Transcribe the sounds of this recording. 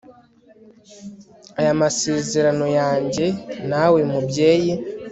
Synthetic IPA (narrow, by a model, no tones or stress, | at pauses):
ajamase̞ːzeɾano̞jaːɲɟe̞nawemubje̞ːji